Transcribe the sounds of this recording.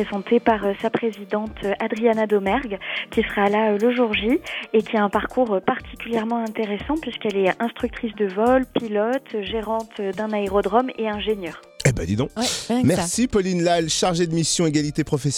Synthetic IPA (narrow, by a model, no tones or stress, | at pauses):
ezɑ̃t̪ʰepaʁøsapχezid̪ɑ̃t̪ʰøʔad̪ʁianad̪omɛʁɡkʲisəʁalaøləʒuʁʒiekʲiaɛ̃paʁkʰuʁøpaʁt̪ʰi̥kʲyljɛʁmɑ̃ɛ̃t̪eʁesɑ̃pɥiskɛlɛɛ̃st̪χyk̚t̪χisd̪əvɔlpilɔt̪ʰʒeʁɑ̃t̪ød̪ɛ̃naeʁɔd̪ʁɔmeɛ̃ʒenjœːʁ | ɛbɛ̰̃d̪id̪ɔ̃mɛsipɔlinlalʃaʁʒed̪əmisjɔ̃eɡʲalit̪epχɔfɛs